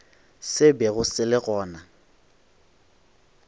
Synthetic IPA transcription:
sɪbɛɣʊsɪlɪɣɔːna

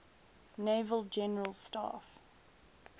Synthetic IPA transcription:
nevəlˠd͡ʒɛnəɹəlˠstɑ̰ːf

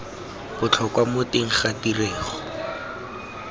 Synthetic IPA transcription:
bʊt͡ɬʰɔkwamʊteŋ̩χatireːχɔ̥

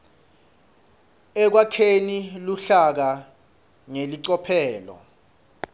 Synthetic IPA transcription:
ɛk̬wakʰeniluɬak̬a | ŋeliǀɔpʰɛːlɔ̰

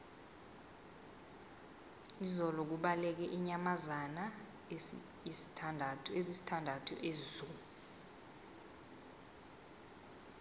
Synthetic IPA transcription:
izɔlɔk̬uɓalɛk̬ɛʔiɲamazana | si̥andʱatʰezisi̥tʰandʱatʰuʔezuːlu

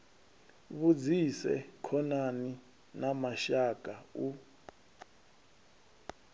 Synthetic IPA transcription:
βud͡zisɛ̰kʰɔnani | namaʃakʼau

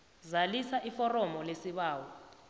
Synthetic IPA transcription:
zalisaʔifɔrɔmɔlesiɓaːwɔ

